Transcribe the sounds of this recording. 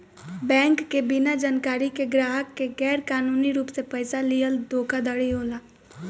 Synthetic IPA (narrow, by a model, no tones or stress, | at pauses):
bɛ̃ːŋkːebɪnad͡ʒaːnkaːɾikeɡɾaːɦəkːeɡɛːɾkaːnuːniɾuːpsepəɪsalijəld̪ʱoːkʰad̪ɐɽiɦoːlaː